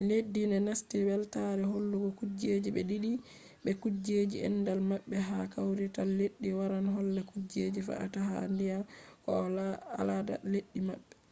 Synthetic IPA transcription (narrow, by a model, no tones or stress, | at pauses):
ledːinɛnastibɛltaɾɛholːuɡɔkud͡ʒed͡ʒiɓɛɗiɗi | ɓɛkud͡ʒed͡ʒiɛ̰nːdalmaɓːɛɦakawɾitalːeɗːiwaɾanɦɔlːɛkud͡ʒeːd͡ʒifa̰ʔa̰taɦandijakɔalada̰leɗːima̰ɓːɛ